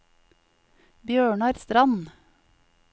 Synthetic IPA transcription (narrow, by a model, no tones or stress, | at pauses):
bjøːɳɑːɾst̪ɾɑn